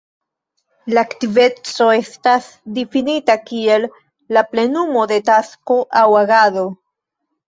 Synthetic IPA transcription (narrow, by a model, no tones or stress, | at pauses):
laːktive̞t͡so̞e̞stas | difinitakie̞lː | aple̞numo̞de̞tasko̞ʔawaɡado̞